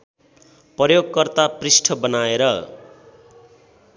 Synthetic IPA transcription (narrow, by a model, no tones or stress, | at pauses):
pʌjoɡkʌrt̪aprisʈʰʌbʌnaeɾʌ